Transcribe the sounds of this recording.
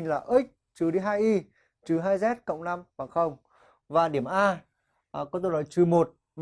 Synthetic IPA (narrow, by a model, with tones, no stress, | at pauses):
ŋlaː˨˩ʔi˦˥k̟̚ | t͡ɕɨ˨˦ɗi˧ɦaː˧jʔi˧ | t͡ɕɨ˨˦ɦaː˧jzɛ˦˥t̚kə̰˧˨wŋ͡mna˧mvaː˨˩xə˧wŋ͡m | vaː˨˩ɗi˧˩əmʔaː˧˨ | kɔ˨˦t̪o˧nɔ˨˦jt͡ɕɨ˨˦mo˨˩t̚ | m